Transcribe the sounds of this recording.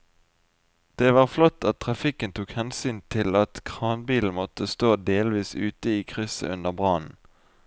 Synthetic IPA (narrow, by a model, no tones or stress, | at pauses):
d̪̥eːʋɑːʁflɔt̪ːɑt̪̚ʰːʁɑfɪkənt̪ʰuːkhɛnsyːnt̪ʰɪlɑt̪kʰʁɑːnbiːln̩mɔt̪əst̪oːd̪eːlʋiːsʉːt̪əiːkʰʁʏsə̰ʔʉnəʁbʁɑːnn̩